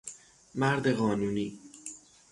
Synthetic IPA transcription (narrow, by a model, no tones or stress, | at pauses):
mæɾd̪eɣɒːnuːniː